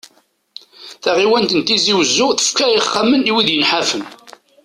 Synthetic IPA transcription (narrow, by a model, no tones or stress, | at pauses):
θaʁiwænt̪ənt̪ːiziwəzːʊθə̥fkæiχːaməniwiðjənħafən